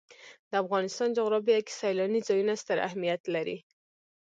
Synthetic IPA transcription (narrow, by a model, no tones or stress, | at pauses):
d̪əafɣɑnɪst̪ɑnd͡ʒaɣɾɑbijaki̥sajlɑnizɑjunast̪əɾa̰hmijat̪laɾḭ